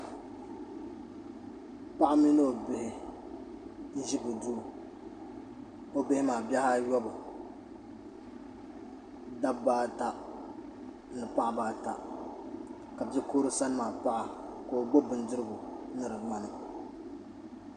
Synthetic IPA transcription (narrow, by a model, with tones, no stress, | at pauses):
pa˦ʔa˦mi˦no˦o˨be˨hɪ˦ | n̩˦ʒi˦bʊ˨du˦˨ | o˦be˦hɪ˦maː˨bja˦ha˦jɔ˦bɨ˨ | da˦bbaː˦ta˦ | nɨ˨pa˦ʔa˨baː˦ta˨ | ka˨bɛ˦koː˦ɾɨ˦sa˦n˦maː˨pa˦ʔa˨ko˨o˨ɡ͡bo˦bɨ˨ndɨ˦ɾɨ˦ɡʊ˨nɨ˦ɾɨ˨ma˨nɨ˨